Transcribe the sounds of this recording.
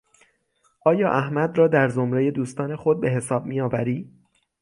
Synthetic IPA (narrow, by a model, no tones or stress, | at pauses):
ʔɒːjɒːʔæhmæd̪rɒːd̪æɾzo̞mɾe̞je̞d̪uːst̪ɒːne̞xo̞d̪̚be̞ɦe̞sɒːb̚mijɒːvæ̰ɾiː